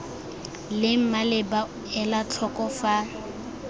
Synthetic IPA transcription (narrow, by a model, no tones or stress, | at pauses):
lɪm̩malɪba | ɛlat͡ɬʰɔkʼɔfa